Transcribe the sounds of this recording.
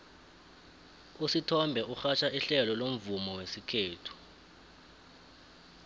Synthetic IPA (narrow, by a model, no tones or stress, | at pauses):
usitʰɔmbʱɛʔuxat͡ʃʰaiɬɛlɔlom̩vumɔwesikʰeːtʰu̥